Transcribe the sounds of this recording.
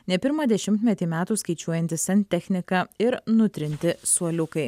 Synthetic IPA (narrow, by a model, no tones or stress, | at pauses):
nʲɛpʲɪɾmɐd̪ʲɛʃʲɪmʲt̪ʲmʲɛt̪ʲiːmʲæːt̪uːskɐɪt͡ʃʲuɔjɛnʲt̪ʲɪsʲɛnʲt̪ʲɛxʲnʲɪkɐːɪɾnʊt̪ʲɾʲɪnʲt̪ʲɪsuɔlʲʊkɐɪ